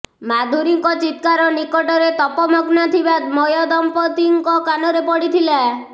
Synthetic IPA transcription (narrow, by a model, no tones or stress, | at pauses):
mad̪ʱuɾiŋkɔt͡ʃit̪̚kaɾɔnikɔʈɔɾet̪ɔpɔmɔɡnat̪ʰibat̪mɔjɔd̪ɔmpɔt̪iŋkɔkanɔɾepɔɽit̪ʰila